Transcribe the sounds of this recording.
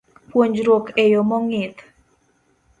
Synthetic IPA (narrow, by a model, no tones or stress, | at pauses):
pwoɲd͡ʒɾwokejomɔŋɪt̪